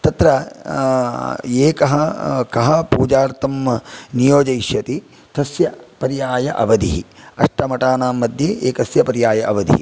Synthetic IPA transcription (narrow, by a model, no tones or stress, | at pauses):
t̪ɐt̪ɾɐ | eːkɐɦɐkɐɦɐpuːd͡ʒaːɾt̪ɐmnijoːd͡ʒɐjʃjɐt̪i | t̪ɐsjɐpɐɾjaːjɐʔɐ̰ʋɐd̪ḭɦiɐ̰ʂʈɐmɐʈaːnaːmːɐd̪ʱjɐʔeːkɐsjɐpɐɾjaːjɐʔɐʋɐd̪ḭɦḭ